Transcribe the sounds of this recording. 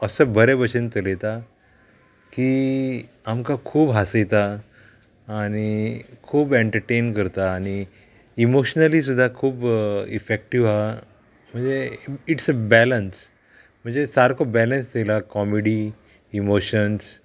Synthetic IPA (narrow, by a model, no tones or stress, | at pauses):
əsəbʱəɾebət͡ɕənt̪əlet̪a | ki | amkakʰuːbɦasejt̪aː | ñikʰuːbeɳʈəɾʈenkəɾt̪aːñi | imoɕnəliːs̬ud̪ʱːakʰuːbḭfek̚ʈiʋa | m̤əɳd͡zeiʈsəbæləns | m̤əɳd͡zesaɾkobɛlənsd̪elakɔmeɽiː | moɕəns